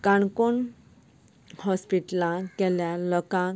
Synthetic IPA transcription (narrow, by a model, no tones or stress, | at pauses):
kãɳkon | hɔspiʈlãkɛljalɔkã